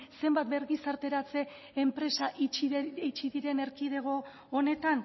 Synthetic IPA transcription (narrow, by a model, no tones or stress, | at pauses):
se̞mbat̪̚be̞ɾɣisaɾt̪e̞ɾat͡se̞ː | mpɾe̞saʔit͡ʃit͡ʃiðiɾe̞ne̞ɾkið̞e̞ɣ̞o̞ː | ne̞t̪an